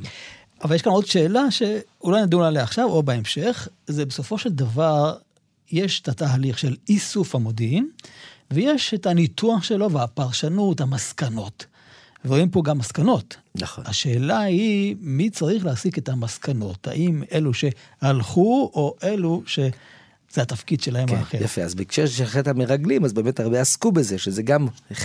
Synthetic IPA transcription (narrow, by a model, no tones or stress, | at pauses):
ʔavaljeʃkano̞dʃe̞ːlaʃe̞ulajnad̪ulaleaχʃavo̞beemʃe̞χzebeso̞fo̞ʃeld̪avaʁ | jeʃe̥tataːliχʃe̞lisufhamo̞d̪iimveje̞ʃethanitʰuaχʃe̞lo̞veapaʁʃanutamaskano̞t | veoimpo̞ɡamːaskano̞tna̰aʃe̞ːlahimit͡saʁiχleasiketamaskʰano̞tha̰ʔime̞luʃe̞ | halχuo̞ʔe̞luʃe | z̥eatafkid̪ʃelahemaːχejafeazbekʃeʃeχetameʁaɡlimazbeːmetaʁbeaskubezeʃezeɡam